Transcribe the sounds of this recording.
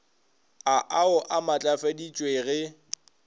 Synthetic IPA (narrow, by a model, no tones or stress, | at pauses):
aʔaʊʔamat͡ɬʼafadit͡ʃʼweɣɪ